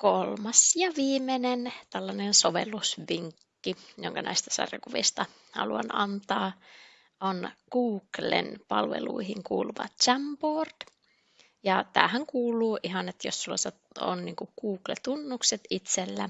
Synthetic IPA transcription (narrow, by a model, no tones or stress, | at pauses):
kolmɑsjɑʋiːmenent̪ælːɑnensoʋelːusʋiŋkːijo̰ŋkɑnæ̰ist̪æ̥sɑ̰rkuʋḭst̪ɑ | hɑ̰luɑ̰nɑnt̪ɑː | ʔonkuːklḛnpɑlʋḛlṵihiŋkuːluʋɑ̰t̪t͡ʃæmpoːrt̪ | jɑt̪æ̰ːhæŋkuːlˑuːʔiɦɑnet̪jossulːɑse | o̰nniːŋkukuːklet̪unːukset̪it̪selːæ